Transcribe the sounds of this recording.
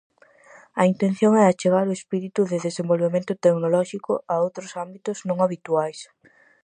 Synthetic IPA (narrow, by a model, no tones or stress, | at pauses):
ɐint̪en̟θjoŋɛat͡ʃeɣ̞aɾʊespiɾit̪uðɪðesẽmbolβemẽnt̪ʊt̪eknolɔʃikʊaowt̪ɾʊsambit̪ʊznõŋaβit̪uajs